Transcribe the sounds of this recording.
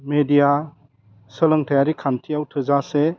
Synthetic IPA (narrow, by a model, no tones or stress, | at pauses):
medija | səlɯŋtʰajaɾikʰantʰijawtʰɯzase